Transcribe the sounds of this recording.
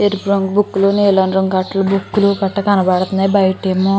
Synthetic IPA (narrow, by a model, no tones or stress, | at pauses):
eɾipɾoŋɡbukːuluneːlɐɳɖɾɐŋkɐʈːɐlubukːulupɐʈːɐkɐnɐbaːɽt̪und̪ɐibɐjɐʈimu